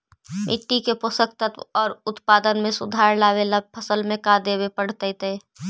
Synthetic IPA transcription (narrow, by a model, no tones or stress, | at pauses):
mʔɪ̰ʈːikeposək̚t̪ət̪ɔːɾʊt̪paːd̪ənmẽsʊ̰d̪ʱaːɾlaːwelapʰəsəlmẽkad̪ebepəɽ̤t̪ət̪e